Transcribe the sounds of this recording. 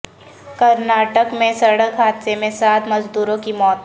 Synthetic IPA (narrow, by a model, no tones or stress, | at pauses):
kɐɾnaːʈəkmẽsɐɾɽəkɦaːd̪semẽsaːt̪ʰmɐd͡ʒd̪uːɾõkimɔːt̪